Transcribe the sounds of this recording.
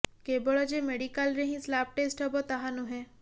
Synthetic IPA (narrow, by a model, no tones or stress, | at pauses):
kebɔɭɔd͡ʒemeɖikalɾeɦĩslap̚ʈesʈɦɔbɔt̪aɦanũɦɛ̃